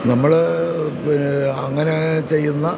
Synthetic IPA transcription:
nɐmːɐɭ | inɐŋːɐne̞t͡ɕe̞jːunːɐ

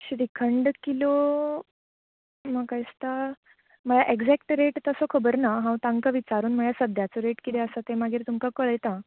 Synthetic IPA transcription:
ɕɾikʰəɳɖkilo | məkajst̪a | məɭaʔeɡd͡zɛk̚ʈɾeʈt̪əsokʰəbəɾnaɦãwt̪ãŋkəʋit͡saɾuːnm̤əɭjasəd̪ʱjat͡soɾeʈkit̪eəsat̪emaɡiːɾt̪umkakəɭəjt̪a

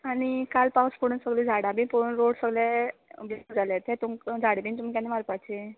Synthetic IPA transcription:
aɽ̃ikalpawspəɽunsəɡlid͡zʱaɽabĩpəunɾoɽsəɡlɛbʱid͡zalɛt̪ʰɛt̪uŋkd͡zʱaɽebĩnt̪umikanimaɾpat͡ɕe

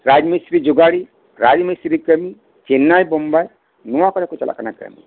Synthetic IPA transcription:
ɾad͡ʒmisɾid͡ʒʊɡaɽi | ɾad͡ʒmisɾikəmi | t͡ʃenːajbɔmbaj | nuwakɔɾɛkut͡ʃa̰lʔa̰ka̰nakə̰mḭ

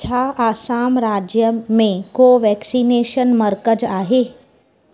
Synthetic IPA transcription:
t͡ɕʰaːaːsaːmɾaːd͡ʑjəmẽkoʋɛːksiːneːʃənməɾkəd͡ʒaːɦeː

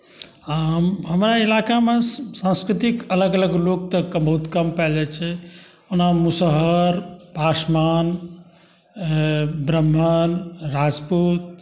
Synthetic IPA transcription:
amɦəmɾailakamẽsãnskɾit̪ikələɡələɡlok̚t̪əkəbəɦut̪kəmpɛld͡ʒat͡ʃʰɛ | unamusəɦəəɾpasman | bɾəmɦənɾad͡ʒput̪̚

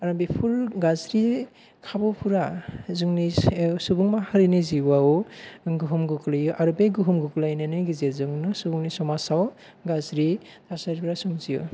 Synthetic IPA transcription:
aɾambipʰuɾɡazɾi | kʰabɔpʰuɾazuŋnisubuŋmahaɾiniziwauɡɯɦumɡɯkʰlajɯʔaɾubeɡɯɦumɡuklajnanɯɡizeɾzɯŋnɯsubuŋnisɔmasaw | ɡazɾitʰasaɾpʰuɾasuŋzijṵ

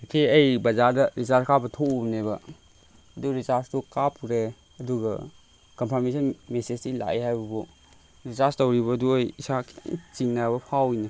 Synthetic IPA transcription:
kʰeɐjbɐzaɾdɐɾizaɾkʰabɐtʰoubneβɐː | duɾizaɾstukapʰuɾe | ɐduɡɐ̰ | kɔmpʰaɾmesʰɔnmesed͡ʒila̰jhajbɐbu | ɾizaɾstowɾiβɐːduɐjisakʰŋt͡ʃiŋnabɐpʰawjnɐ

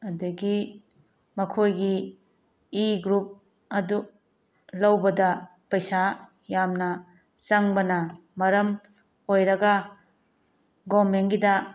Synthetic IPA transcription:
ɐdɐɡi | mɐkʰojɡiː | ɡɾup̚ | ɐdu | lɐwbɐdɐ | pɐjsa | jamnɐ | t͡ʃɐŋbɐnɐ | mɐɾɐm | hojɾɐɡɐ | ɡomenɡidɐ

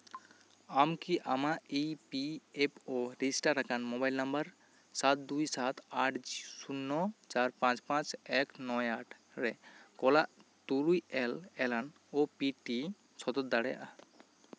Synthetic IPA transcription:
amkiʔamaipiepʰɔɾiisʈaɾːakanmɔbajlnɔmbəɾ | sat̪̚d̪ujsat̪ʰaʈʰd͡ʒisunːɔt͡ʃaɾpãt͡ʃpãt͡ʃɛknɔjaʈʰ | ɾɛkɔlaʔt̪ulujɛlɛlan | ɔpiʈi | sʰɔd̪ɔt̪̚d̪aɽɛjaʔa

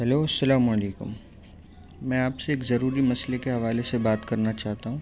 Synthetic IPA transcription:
ɦɛloːɐsːɐlaːmɐleːkʊ̰mː | ɛ̃ːaːpseeːkzɐɾuːɾimɐslekeɦɐʋaːlesebaːt̪kɐɾnat͡ʃaːɦt̪aɦũː

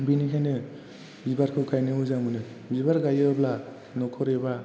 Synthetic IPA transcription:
binikʰajnɯ | bibaɾkʰɯkʰajnɯɯzamɯnɯ | bibaɾɡajɯbla | nɔkʰɔɾeba

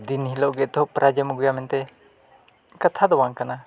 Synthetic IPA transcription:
d̪inɦilɔʔɡɛʔt̪ɔɦɔʔpɾad͡ʒəmuɡujamɛnt̪ɛ | kat̪ʰad̪ɔwaŋkana

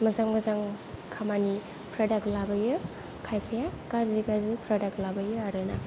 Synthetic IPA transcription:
mɐzaŋmɐzaŋ | kʰamani | pʰɾadaklabɐjɯ | kʰajpʰajakaɾziɡazɯpʰɾadak̚labɐjɯaɾɯna

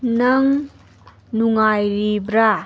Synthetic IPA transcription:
nɐŋ | nuŋajɾibɾa

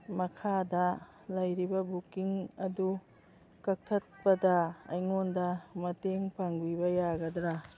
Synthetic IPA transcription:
mɐkʰadɐ | lɐjɾibɐbukiŋɐdu | kɐk̚tʰɐt̚pɐdɐɐ̰jŋondɐmɐteŋpaŋbibɐjaɡɐdɾa

